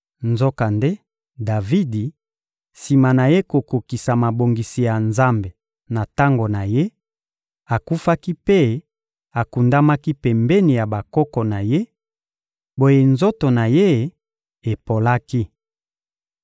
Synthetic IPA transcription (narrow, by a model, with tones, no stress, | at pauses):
nzo˦ka˨nde˦ | da˨vi˦di˨ | si˨ma˨na˨je˦ko˨ko˨ki˨sa˨ma˨bo˨ŋɡi˨si˨ja˨nza˦mbe˨ | na˨ta˦ŋɡo˨na˨je˦ | a˨ku˦fa˦ki˦pe˦ | a˨ku˨nda˦ma˦ki˦pɛ˨mbɛ˦ni˨ja˨ba˨kɔ˦kɔ˨na˨je˦ | bo˦je˨nzo˦to˨na˨je˦ | e˨po˨la˦ki˦